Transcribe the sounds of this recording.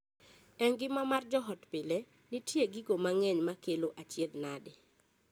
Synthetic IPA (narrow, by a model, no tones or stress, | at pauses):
ɛŋɡɪmamard͡ʒɔɦɔtpɪle | nitjeɡiɡomaŋɛɲmakeloʔat͡ʃjed̪nadɪ